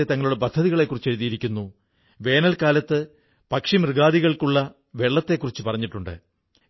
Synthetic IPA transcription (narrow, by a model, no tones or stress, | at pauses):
et̪ɐŋːɐɭuɽep̬ɐd̪ʱːɐðiɣɐɭe̞kːurit͡ɕːeɾuðijiɾikʲːunːu | ʋe̞ːnɐlkaːlɐt̪ːɨ | pɐkʂimrɨɣaːðiɣɐɭkuɭːɐ | ʋe̞ɭːɐt̪ːe̞kːurit͡ɕːɨpɐrɐɲːiʈːuɳɖɨ̰